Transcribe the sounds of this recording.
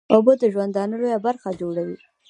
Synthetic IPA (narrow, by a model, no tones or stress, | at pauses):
obəd̪əʒwand̪ɑnəlojabaɾxad͡ʒoɽawi